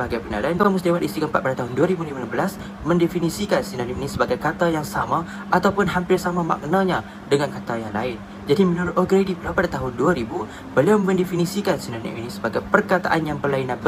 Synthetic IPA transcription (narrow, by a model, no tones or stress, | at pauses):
baɡajpina̰lainkamust̪iwaɾist̪ikampat̪̚padat̪aɦʊnduaɾibulimanambəlas | mə̃ndefinĩsikansinaniʔinisəbaɡajkat̪ajaŋsama | ʔat̪awpʊnɦampɪrsamãma̰k̚naɲa | dəŋankat̪ajaŋla̰ɪn | d͡ʒadimə̃nuɾʊt̪oɡɾedibəlawpadat̪aɦʊnduaɾibu | bəliawmə̃ndefinisikansinanḭʔinisəbaɡajpərkat̪a̰ʔanjaŋbərlainãnbə